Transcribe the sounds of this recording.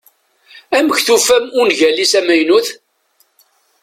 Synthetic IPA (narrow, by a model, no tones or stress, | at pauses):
æməçθufæmʊnʝælːisæmæjnuθ